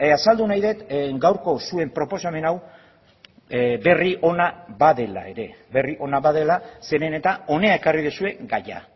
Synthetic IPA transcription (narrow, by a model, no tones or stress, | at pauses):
asald̪unajðe̞t̪ɡawɾko̞sue̞mpɾo̞po̞same̞naw | be̞riʔo̞naβaðe̞la̰e̞ɾe̞βe̞riʔo̞naβaðe̞lase̞ɾe̞ne̞t̪ao̞ne̞ae̞kariðusue̞ɡaja̰